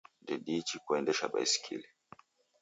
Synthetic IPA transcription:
dɛɗit͡ʃikuɛndɛʃaɓa̰isi̥kʰḭli

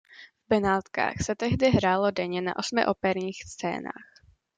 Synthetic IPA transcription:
vbɛnaːt̪ka̰ːxsɛt̪ɛɦdɪɦɾaːlo̞dɛɲɛna̰ʔo̞smɪ̰ʔopɛɾɲiːxst͡sɛ̰ːna̰ːx

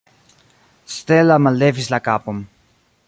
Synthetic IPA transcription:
st̪elamalevislakapom

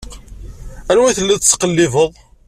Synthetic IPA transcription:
ænwæθəlːæst͡sːqəlːɪvəðˤ

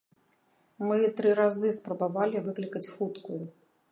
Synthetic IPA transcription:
mɨt̪ɾɨɾazɨspɾɐbavalʲivɨklʲikɐt͡sʲxut̪kuju

